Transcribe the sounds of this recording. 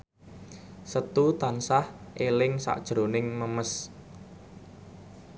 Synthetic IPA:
sət̪ut̪ansahʔelɪŋsa̰ʔd̥ʒ̥ɾonɪŋməməs

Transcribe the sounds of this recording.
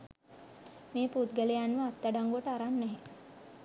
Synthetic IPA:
meːpud̪ɡəlejanʋəat̪ːaɖaŋɡuəʈəaɾanːɛɦe

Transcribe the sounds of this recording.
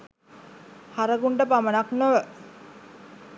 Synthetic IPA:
haɾəɡuɳɖəpamənaknoʋə

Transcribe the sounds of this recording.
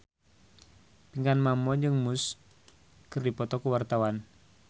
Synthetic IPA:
piŋkanmamɔɲd͡ʒɨŋmus | kɨrdipɔt̪ɔkəwart̪awan

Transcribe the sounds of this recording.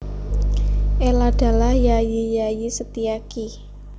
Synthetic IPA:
ʔɛlaɖ̥a̤lahjajijajisət̪iaki

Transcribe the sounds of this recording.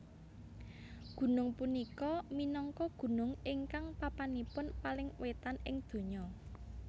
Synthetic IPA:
ɡ̥ṳnʊŋpunikɔminɔŋkɔɡ̥ṳnʊŋɪŋkaŋpapanipʊnpalɪŋwet̪anɪŋd̪̥o̤ɲɔ

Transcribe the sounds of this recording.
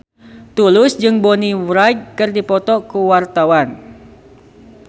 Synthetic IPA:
t̪ulʊsd͡ʒɨŋboniwɾakɨrdipɔt̪ɔkuwart̪awan

